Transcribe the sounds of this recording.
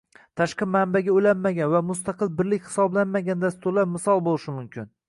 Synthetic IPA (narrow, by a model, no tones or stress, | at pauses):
t̪ʰaʃqɨmanbaɡʲaojlanmaɡʲanvamʊst̪aqɨlˠbɪɾlɪkʲhɪ̥sɒblanmaɡʲand̪ast̪ʊɾlapmɪsɒlˠbolˠɪʃɪmʊmkʲʰɪn